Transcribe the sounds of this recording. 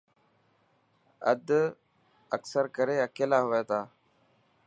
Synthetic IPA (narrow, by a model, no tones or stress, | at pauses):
ə̰d̪ | əksəɾkəɾeːəkeːlaːɦʊʋeːt̪aː